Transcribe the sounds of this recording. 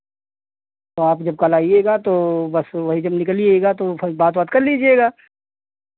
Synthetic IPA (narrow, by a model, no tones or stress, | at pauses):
t̪oːaːpd͡ʒɐb̚kaːlaːieːɡaːt̪oːbɐsʋɐɦid͡ʒɐbnɪkəlieːɡaːt̪obaːt̪baːt̪kɐɾliːd͡ʒieːɡaː